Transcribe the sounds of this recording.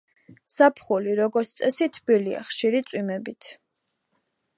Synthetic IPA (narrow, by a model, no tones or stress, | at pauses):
sapʰχuliɾɔɡɔɾt̪ʰt̪sʼɛsit̪ʰbilia̰χʃiɾit̪sʼwimɛbit̪ʰ